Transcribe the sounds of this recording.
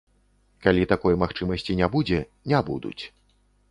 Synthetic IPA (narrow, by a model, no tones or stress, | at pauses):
kalʲit̪akɔjmaxt͡ʂɨmɐsʲt͡sʲinʲabud͡zʲɛ | nʲabṵd̪ṵt͡sʲ